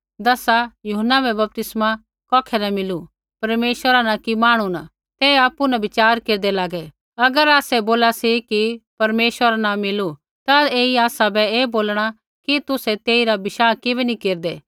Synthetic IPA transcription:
d̪ɐsajʊɦənːabɛbɐp̚t̪ɪsma | kɔːkʰɛnɐmɪlu | pɐɾmeːʃwəɾanɐkimaːɽ̃una | t̪eːaːpːunɐbɪt͡ʃaːɾkeːɾd̪elaːɡɛ | ɐɡəɾaːsɛboːlasikipɐɾmeːʃwəɾanɐmɪlu | t̪aeːiaːsabɛeːboːlɽ̃a | kit̪ʊsɛt̪eːiɾabɪʃaːkɪbɛnikeːɾd̪eː

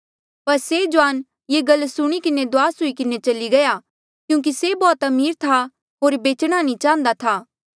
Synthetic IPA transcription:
pɐɾsed͡ʒoaːn | jeːɡɐlːsʊɽ̃ikɪned̪ʊaːsʊikɪnet͡ʃɐliɡɐja | kjũːk̬isebɔːt̪ɐmiːɾt̪ʰa | ɦoːɾbeːt͡ʃɽ̃anĩt͡ʃãːə̃nd̪at̪ʰaː

